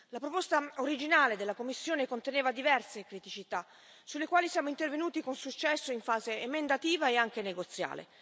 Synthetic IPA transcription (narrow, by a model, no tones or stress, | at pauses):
lapɾopost̪aoɾid͡ʒinaːled̪elːakomːisːjoːnekont̪eneːvad̪ivɛrsekɾit̪it͡ʃit̪a | sulːekwaːlisjaːmoint̪ervenuːt̪ikonsut͡ʃːɛsːoiɱfaːzeːmend̪at̪iːvaeaŋk̟eneɡot̪sja̰ːlḛ